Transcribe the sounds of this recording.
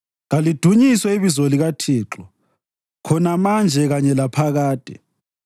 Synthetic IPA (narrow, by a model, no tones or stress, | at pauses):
ɣalid̥ʱuɲiswɛiβizɔliɣatʰiːǁɔ | kʰɔnamand͡ʒʱɛɣaɲɛlapʰaɣaːd̥ʱɛ